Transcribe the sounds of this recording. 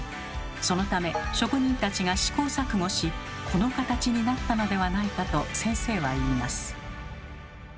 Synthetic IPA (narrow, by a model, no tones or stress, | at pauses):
so̞no̞t̪ame̞ɕo̞kɯ̟ɲ̟ĩnt̪at͡ɕiɡaɕi̥ko̞ːsakɯ̟ŋo̞ɕikʰo̞no̞kat̪at͡ɕiɲ̟inat̪ːano̞d̪e̞βanaikat̪o̞sẽ̞ɰ̃se̞ːβaiːmasɨ̥